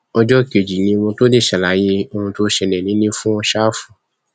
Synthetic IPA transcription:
ɔ˧d͡ʒɔ˦˨ke˨d͡ʒi˨nĩ˧wɔ̃˧to˦de˦˨ʃa˨la˨˦je˧o˧hũ˧to˦ʃɛ˧nɛ̃˨nĩ˨˦nĩ˦fũ˦ɔ˧ʃa˦fũ˨

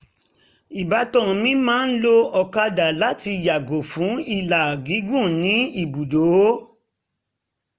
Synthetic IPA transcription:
i˨ba˨˧˦tɔ̃˦˨˧mĩ˦mãː˦˧˦n̩˦lo˦ɔ˧ka˧da˨la˦ti˧ja˨ɡo˨fũ˨˦i˦˨la˨ɡi˨˦ɡũ˦˨nĩ˨˦i˦˨bu˨do˨˦

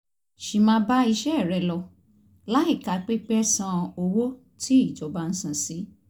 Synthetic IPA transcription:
ʃi˧mãː˧˦ba˦i˧ʃɛ˦˨ɾɛ˧lɔ˧ | la˦i˦˨ka˨˧k͡pe˦k͡pɛ˦sã˧o˧wo˦ | tʰi˦i˦˨d͡ʒɔ˨˦ba˧n̩˦sĩ˦˨si˨˦

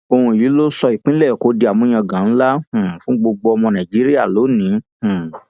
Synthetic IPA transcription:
o˧hũ˧˨ji˨˦lo˦sɔ˧i˨k͡pĩ˦lɛ˦˨ko˨˦di˧˦a˨mũ˦ã˧ɡã˨n̩˦la˦hũ˨fũ˦ɡ͡bo˧ɡ͡bo˧ɔ˧mɔ̃˧nã˨d͡ʒi˨˦ɾi˦ja˦˨lo˨˦nĩ˨˦hũ˨

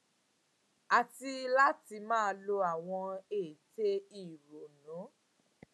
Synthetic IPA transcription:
a˨ti˧la˦ti˧mãː˦˧lo˧a˨w̃ɔ̃˧e˨te˦i˦˨ɾo˨nũ˨˦

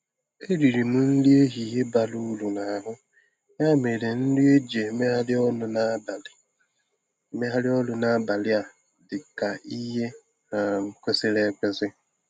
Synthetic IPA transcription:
e˦ɾi˨ɾi˨m̩˦n̩˦li˦e˦ɦi˨ɦe˦ba˨lu˦lu˨na˨a˨ɦʊ˦ | ɲa˦me˨ɾe˨n̩˦li˦e˦d͡ʒe˨me˦ɦa˦lɪ˦ɔ˦nʊ˨na˦ba˨lɪ˨ | me˦ɦa˦lɪ˦ɔ˦lʊ˨na˦ba˨lɪ˦a˨ | dɪ˨ka˨i˦ɦe˦ | a˨m̩˨ke˦se˦ɾe˦kʷe˨zɪ˦

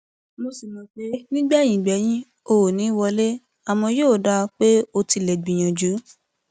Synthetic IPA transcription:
mo˧si˨mɔ̃˨˧k͡pe˧˦nĩ˦ɡ͡bɛ˦˨j̃ĩ˨ɡ͡bɛ˨˦j̃ĩ˦ | o˧o˨nĩ˨˦wɔ˧le˦ | a˨mɔ̃˧joː˦˨da˧k͡pe˦o˧ti˧lɛ˨ɡ͡bĩ˨j̃ã˨d͡ʒu˨˦

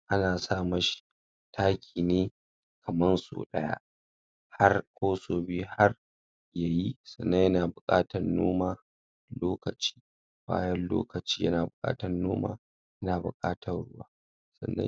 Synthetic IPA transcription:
ʔa˦naː˨saː˦˨mɐ˦ʃi̥˦ | tʰaː˦kʲʰiː˨neː˦ | kʰɐ˨mɐ˦nso̰ː˨ɗɐ˦ja̰˦ | ha˦rkʷoː˦soː˨biː˦ha˦r | ja˨ji˦sɐ˨nːɐ˦jɐ˦naː˨bʊ˨kʼaː˦tɐ˨nːoː˦maː˦ | loː˦kɐ˨t͡ʃi̥ː˦ | b̥a̰ː˦jɐ˦nlo̰ː˦kɐ˨t͡ʃiː˦jɐ̰˦naː˨bʊ˨kʼa̰ː˦tɐ˨nːoː˦ma̰ː˦ | jɐ˦naː˨bʊ˨kʼaː˦tʰɐ˨rɽʊ˦waː˦ | sɐ̰˨nːɐ̰˦

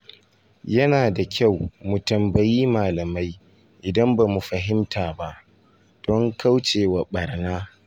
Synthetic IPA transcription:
jɐ˦naː˨da˨kʲʰa˦˨wmu˨tɐ˨mbɐ˨jiː˦maː˨lɐ˨ma˦j | ʔɪ˨dɐ˦mbaː˨mu˨ɸɐ˨ɦɪ˦mtʰaː˨ba˦ʔ | d̥ɔ˦ŋka˦wt͡ʃeː˨wa˨ɓɐ˨rnaː˦

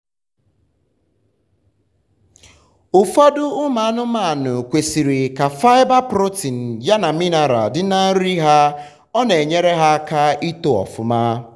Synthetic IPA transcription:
ʊ˨fɔ˦dʊ˦ʊ˦ma˨˦nʊ˦ma˦˨nʊ˨kʷe˨si˨ɾi˨ka˨fa˦ɪ˦ba˦pɾo˦ti˨n̩˨ja˦na˨mi˦na˦ɾa̰˨dɪ˦na˦n̩˦ɾi˦ɦa˦ | ɔ˦ne˨ɲe˦ɾe˦ɦa˦ka˦ʔi˦to˦ɔ̰˨fʊ˨maː˦

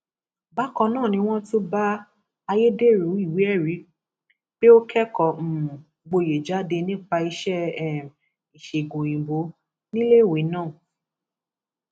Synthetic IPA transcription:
ba˦kɔ̃˧nãː˦˨nĩ˧w̃ɔ̃˦tu˦ba˦ | a˧je˦de˦˨ɾũ˨˦i˦˨wi˨˦ɛ˦˨ɾi˨˦ | b̥e˦o˦kʰɛ˦kɔ˨m̩˨ | ɡ͡bo˧je˨d͡ʒa˨˦de˧nĩ˦k͡pa˧i˧ʃɛ˦˨ | i˨ʃe˨ɡõ˨ĩ˨bo˨˦ | nĩ˦le˦˨we˨˦nãː˦˨

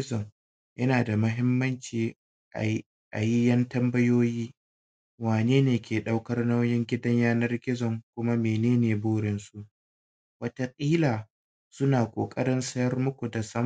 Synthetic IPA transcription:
ɪ˦zɔ˨ŋ | jʔɐ˦naː˨da˨mɐ˦ɦɪ˦mːɐ˦nt͡ʃiː˨ | ʔa˨ji˦jɐ˦ntɐ˦mbɐ˦joː˦jiː˦ | waː˨neː˦neː˨kʲeː˨ɗa˦wkɐ˦rnɐ˦wjɪ˦ŋɡʲɪ˦dɐ˦ɲjaː˦nɐ˦rɡʲɪ˦zɔ˨ŋkʷʊ˦ma˦meː˨neː˦neː˨buː˦ɽɪ˨nsu˦ʔ | wɐ˦ta˦kʼiː˦laː˨ | sʊ˦naː˨kʷʼoː˨kʼɐ̰˦ɾɪ˦nsɐ˦jɐ˦rmʊ˦kʷu˨da˨sɐ˦m

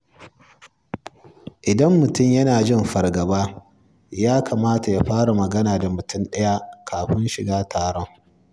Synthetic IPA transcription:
ʔɪ˨dɐ˦mːʊ˨tʊ˦˨mjɐ˦naː˨d͡ʒɪ˦mɸɐ˨rɡɐ˨baː˦ | jaː˦kʰɐ˨maː˦ta˨ja˦ɸaː˦ɽa˨mɐ˨ɡɐ˦naː˨da˨mʊ˨tʊ˦nɗɐ˦ja˦kʰaː˨ɸɪ˦nʃɪ˨ɡaː˦tʰaː˨ɽɔ˦ŋ

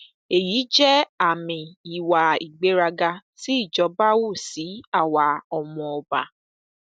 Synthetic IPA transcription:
e˨ji˨˦d͡ʒɛ˦a˨mɪ˨i˨wa˨i˨ɡ͡be˦ɾa˦ɡa˦si˦˨d͡ʒɔ˨˦ba˦wʊ˦˨si˨˦a˨wa˨ɔ˨mɔ˨ɔ˨ba̰˨

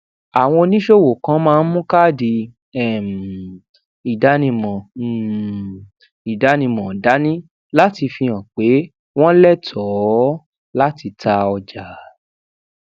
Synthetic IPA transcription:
a˨w̃ɔ̃˧nĩ˦ʃo˦wo˨kã˦mãː˦˧n̩˦mũ˦ka˦˨di˧ | ɛ˨m˨ | i˨da˨˦nĩ˧mɔ̃˨ | i˨da˨˦nĩ˧mɔ̃˨da˨˦nĩ˦ | la˦ti˧fĩ˧ã˨k͡pe˨˦ | w̃ɔ̃˦lɛ˦˨tʰɔ˨˦ | la˦ti˧tʰa˧ɔ˧d͡ʒa˨

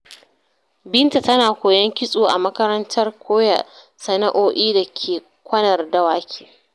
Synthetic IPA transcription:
bɪ˦nta˨tɐ˦naː˨kʷoː˨jɐ˦ŋkʲɪ˦sʼoː˨ʔa̰˨mɐ˦kɐ˦ɾɐ˦ntʰɐ˦rkʷʰoː˦ja̰˨ | sɐ˨nɐ˦ʔoː˦ʔiː˦da˨kʲʰeː˨ | kʷɐ˦nɐ˨rdɐ˦waː˦kʲʰeː˨

